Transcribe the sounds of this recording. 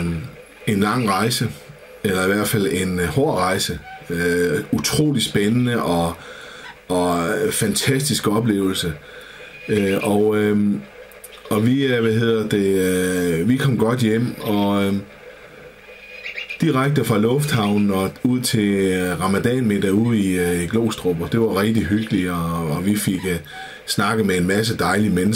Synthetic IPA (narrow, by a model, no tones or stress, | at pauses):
e̝nlɑ̈ŋ̰ʁɑ̈ɪsə | elɐiʋæɐ̰d̥fæl̰e̝nhɔɐʁɑ̈ɪsəøut͡sʰʁo̝̰ːlid̥sb̥enənəʔɒ̽ | ɒ̽fænt͡sʰæsd̥isɡ̥əɒ̽b̥le̝̰ːʊl̩sə | øɒ | ɒ̽ʋiʋæɦe̝ð̰ˠɐd̥e̝øʋikʰɒ̽m̰ɡ̥ɒ̽d̥jem̰ɒ̽ | d̥iʁaɡ̥̚d̥əfʁɑ̈lɔ̽fd̥hɑ̈ʊnn̩ɒ̽uð̰ˠt͡sʰe̝lʁɑ̈mæd̥ɛ̰nmed̥æuð̰ˠiiɡ̥lo̝̰ːsd̥ʁob̥ɐd̥e̝ʋɑ̈ʁɛɡ̥̚d̥iɦyɡ̥əliɒːʋife̝ɡ̥ | snɑ̈ɡ̥əð̩ˠmeenmæs̬əd̥ɑ̈ɪlimenəs